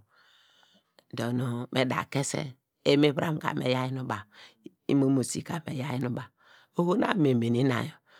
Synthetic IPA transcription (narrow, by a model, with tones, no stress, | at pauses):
do˨no˨me˨da̰˨ke˦sḛ˦ | e˦me˦bɾa̰˦m˨ka̰˨mḛ˨ja˦ji˦nu˦ba˨ | ḭ˦mo˦mo˨sḭ˨ka˨me˨ja˦ji˦nu˦ba˨ | o˦ho˦na̰˦me˨me˨ni˦na̰˨jo˨